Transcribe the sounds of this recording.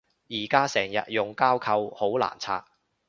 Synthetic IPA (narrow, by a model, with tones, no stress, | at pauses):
jiː˨˩kaː˥sɛː˨˩ŋjɐ̰˨t̚jʊ˨ŋkaː˥wkʰɐ˧who˨˥wla̰ː˨˩nt͡sʰa̰ː˧k̚